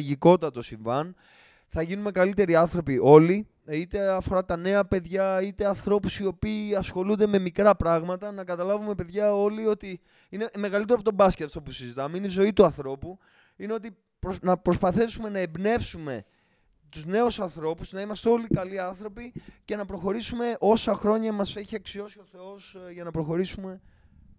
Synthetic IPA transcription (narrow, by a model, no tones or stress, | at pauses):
ʝiko̞t̪ɐt̪o̞siɱvɐn | θɐʝinunmekɐlit̪e̞ɾiɐnθɾo̞piʔo̞li | it̪e̞ɐfo̞ɾɐt̪ɐne̞ɐpe̞ðʝɐit̪e̞ɐnθɾo̞pusio̞piːɐsxo̞lund̪e̞me̞mikɾɐpɾɐɣmɐt̪ɐnɐkɐt̪ɐlɐvume̞pe̞ðʝɐo̞lio̞t̪i | ine̞me̞ɣɐlit̪eɾoɐpot̪o̞bɐscet̪ɐft̪opusizit̪ɐmeineizo̞it̪uɐnθɾo̞pu | ineo̞t̪i | pnɐpɾo̞spɐθisume̞nɐebne̞fsume̞̰ | t̪uzne̞usɐnθɾo̞puznɐimɐst̪e̞o̞likɐliɐnθɾo̞pice̞nɐpɾo̞xo̞ɾisume̞ʔo̞sɐxɾo̞ɲɐmɐse̞çiɐksio̞sio̞θe̞o̞sʝɐnɐpɾo̞xo̞ɾisume̞